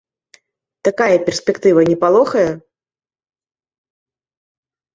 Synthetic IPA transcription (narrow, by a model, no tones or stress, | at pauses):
t̪akajɐpʲɛrsʲpʲɛkt̪ɨvɐnʲɛpalˠɔxɐjɐ